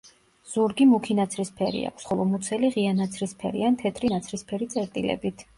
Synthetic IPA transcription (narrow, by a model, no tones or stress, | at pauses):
z̥uɾɡimukʰinat̪sʰɾispʰɛɾḭa̰kʷʰsχɔlˠɔmut̪sʰɛliʁianat̪sʰɾispʰɛɾiant̪ʰɛt̪ʰɾinat̪sʰɾispʰɛɾit̪sʼɛɾt̪ʼilɛ̰bit̪ʰ